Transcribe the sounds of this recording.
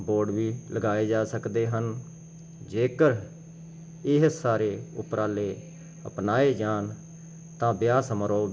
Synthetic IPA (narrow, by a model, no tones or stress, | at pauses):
boːɖʋiːləɡaːeːd͡ʒaːsəkd̪eːɦən | d͡ʒeːkəɾ | ɪɦsaːɾeːʊ̰pɾaːleː | ə̰pnaːeːd͡ʒaːn | t̪ãːbɪjaːsəmɾoː